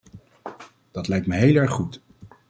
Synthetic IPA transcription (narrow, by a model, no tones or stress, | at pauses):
d̥ɑtlɛjk̚tməɦejlɛɹχːut